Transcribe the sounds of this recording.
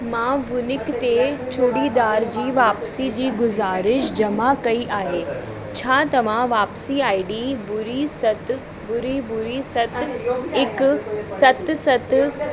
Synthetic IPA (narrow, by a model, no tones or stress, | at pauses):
mãːʋʊnɪkt̪et͡ɕʰuːɽid̪aːɾd͡ʑiːʋaːpsid͡ʑiːɡʊzaːɾɪʃd͡ʑɐmakɐiʔaːɦeː | t͡ɕʰaːt̪ɐʋ̤ãʋaːpsiaːiɖiːbʊɾisɐt̪ | bʊɾibʊɾisɐt̪ɪksɐt̪sɐt̪